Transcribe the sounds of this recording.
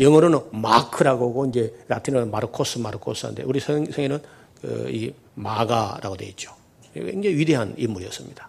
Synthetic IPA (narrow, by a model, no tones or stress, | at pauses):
jʌŋʌɾɯnma̰kʰɯɾaɡoɡoind͡ʑe̞ɾatʰinʌmaɾɯkʰos͈ʰɯmaɾɯkʰos͈ʰɯa̰ndḛuɾisesʰeŋenɯn | kɯ̰ḭ | maɡaɾa̰ɡodeit̚t͡ɕ͈o̥ | eŋd͡ʑeŋiɥideɦanimuɾiʌs͈ɯ̥mɲid̥ḁ